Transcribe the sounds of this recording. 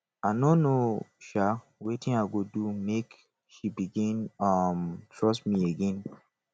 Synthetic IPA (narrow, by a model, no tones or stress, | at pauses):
anõnoʃa | wetĩnaɡodumek | ʃibiɡĩnʌmtʰɹɔsmieɡɛ̃n